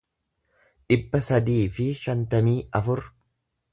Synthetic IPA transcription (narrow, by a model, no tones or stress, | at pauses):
ᶑɪbːɐsɐd̪iːfɪʃɐnt̪ɐmiːɐfʊɾ